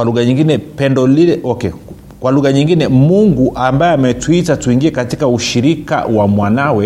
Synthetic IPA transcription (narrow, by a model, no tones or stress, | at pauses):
kwaluɣaɲiŋɡinɛpɛndɔlilɛɔkɛ | kwaluɣaɲiŋɡinɛmuŋɡuʔambaɛamɛtwitatuiŋɡiɛkatikauʃiɾika̰wamwanawɛ